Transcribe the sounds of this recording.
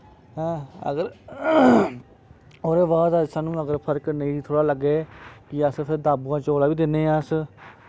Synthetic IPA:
ɦɛ̃ːə̰ɡəɾ | oːɾeːʋaːd̪əsaːnũːəɡəɾpʰəɾknəĩːt̪ʰoːɽaːləɡeːkɪəspʰɪɾd̪aːbuːãːt͡ʃoːlaːʋiːd̪ɪnːeːas

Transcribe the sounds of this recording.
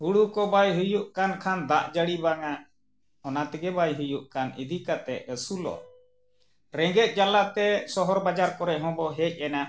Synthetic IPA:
huɽukɔbajɦujuʔkankʰand̪aʔd͡ʒəɽibaŋa | ɔnat̪ɛɡɛbajɦujuʔkanḭd̪ʱikat̪ɛ̰əsulɔ̰ | ɾɛŋɡɛt̪̚ˀd͡ʒalaʔt̪ɛsɔɦɔɾbad͡ʒaɾkɔɾɛʔɦɔ̃bɔɦɛc̚ˀɛna

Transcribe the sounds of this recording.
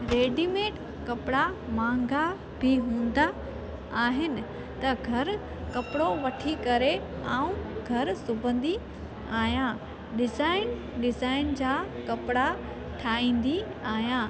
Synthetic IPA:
ɾeːɖimeːʈ | kɐpɪɽamãːŋɡa | bʱiɦũːn̆d̪aː | ɦɪnɪ̆ | t̪ɐɡʱɐɾ | kɐpɪɽoʋɐʈʰikɐɾe | aːũɡʱɐɾsʊbə̃nd̪i | aːɦijã | ɗɪzaːɪn | ɗɪzaːɪnd͡ʑaːkɐpɪɽa | ʈʰaːɦĩːn̆d̪iaːɦjãː

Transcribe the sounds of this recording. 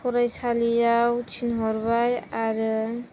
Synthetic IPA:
kʰɔɾajsalijawt͡ʃʰinɦɔɾbajaɾ

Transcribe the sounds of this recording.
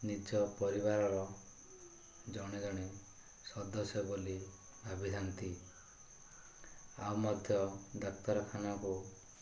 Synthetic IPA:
nit͡ʃɔpɔɾiβaɾɔɾɔ | d͡ʒɔɽ̃id͡ʒɔɽ̃i | sɔd̪ɔsjɔboli | abʱid̪ʱant̪i | a̰wmɔd̪ʱjɔd̪ɔkt̪ɔɾɔkʰanɔku

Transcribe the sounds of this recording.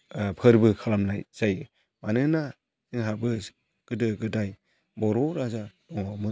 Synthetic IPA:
pʰɯɾbɯkʰalamna̰jz̥ajɯ | manɯna | zɯŋɦabɯ | ɡ̥ɯdɯɡɯdaj | bɔɾɔɾazḁ | ɔŋamɯ

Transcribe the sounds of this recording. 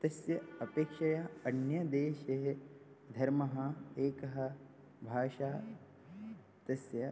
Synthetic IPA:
t̪ɐsjɐɐpeːkʂɐjaɐnjɐd̪eːʃeɦe | d̪ʱɐɾmɐɦɐ̆eːkɐɦɐ̆ | bʱaːʃaː | t̪ɐsjɐ

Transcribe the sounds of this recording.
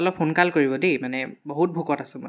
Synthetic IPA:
ɔlɔpʰonkalkoɹibɔdemanɛboɦut̚bʱukɔtasʊ̃mɔ̰

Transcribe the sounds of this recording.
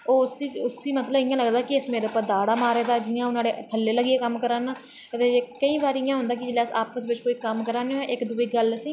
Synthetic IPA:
oːsiːt͡ʃʊsiːmət̪ləbɪjãːləɡd̪aːkɪɪsmeːɾaːpəd̪aːɽaːmaːɾeːd̪aːd͡ʒɪːãːʊnaːɽeːt̪ʰəlːeːləɡieːkəmkəɾaːnãː | t̪eːkəĩːbaːɾijãːɦʊ̃nd̪aːkɪd͡ʒlɛːsa̰ːpəsʋɪt͡ʃkoːiːkəmkəɾaːnẽːʔɪkd̪uːiːɡələsĩː

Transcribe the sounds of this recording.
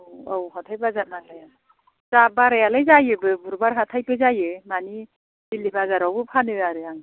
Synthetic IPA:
wawɦatʰajbazanaɡlaja | zabaɾajalajzajɯbɯbuɾbaɾɦatʰajbɯzajɯmani | dilibazaɾawbɯpʰanɯaɾɯaŋ

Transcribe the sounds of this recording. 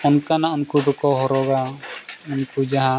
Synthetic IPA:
ɔnkanaɔnkubɔkɔɦɔɾɔɡaɔnkud͡ʒaɦã

